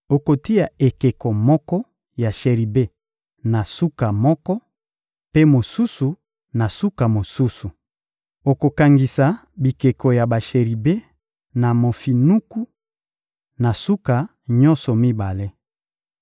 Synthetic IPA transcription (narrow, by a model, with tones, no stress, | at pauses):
o˨ko˨ti˦ja˨e˨ke˨kɔ˨mɔ˦kɔ˦ | ja˨ʃe˨ʁi˨be˦ | na˨su˦ka˨mɔ˦kɔ˦ | pe˦mo˨su˦su˨ | na˨su˦ka˨mo˨su˦su˨ | o˨ko˨ka˨ŋɡi˨sa˨bi˨ke˨kɔ˨ja˨ba˨ʃe˨ʁi˨be˦ | na˨mo˨fi˨nu˦ku˦ | na˨su˦ka˨ | ɲɔ˦nsɔ˨mi˦ba˨le˦